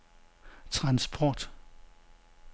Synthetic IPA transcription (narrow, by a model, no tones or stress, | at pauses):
t͡sʰʁɑ̈nsb̥ʰɒːd̥